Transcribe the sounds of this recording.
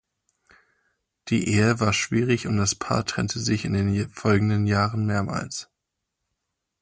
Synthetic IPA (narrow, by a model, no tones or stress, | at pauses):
d̥ḭːʔeːəvaːɐʃv̥iːʁɪçʊnt̚d̥aspʰa̰ːɐtʁ̥ɛ̰ntʰəzɪçɪndeːnfɔlɡŋ̩dənjaːʁənmeːɐma̰ːls